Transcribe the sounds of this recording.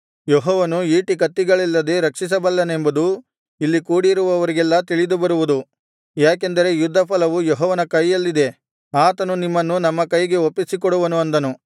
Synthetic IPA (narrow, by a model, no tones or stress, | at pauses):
jeɦɔːʋɐnuiːʈikɐt̪ːiɡɐɭɛlːɐd̪eɾɐkʂis̬ɐbɐlːɐnembud̪u | ilːikuːɽiɾuʋɐʋɐɾiɡɛlːɐt̪iɭid̪ubɐɾuʋud̪u | jaːk̬e̞nd̪ɐɾe̞jud̪ʱːɐpʰɐlɐʋujoɦɔːʋɐnɐkɐjːɐlːid̪e̞ | aːt̪ɐnunimːɐnːunɐmːɐkɐjɡe̞opːisikɔɽuʋɐnuɐnd̪ɐnu